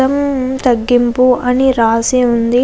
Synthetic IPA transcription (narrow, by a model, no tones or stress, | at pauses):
ɐmt̪ɐɡːimpuʔɐniɾaːsiund̪i